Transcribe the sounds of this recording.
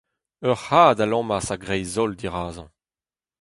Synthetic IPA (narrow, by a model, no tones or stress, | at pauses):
œʁhaːdalɑ̃ːmasaɡʁɛjzɔld̪iʁaːzɑ̃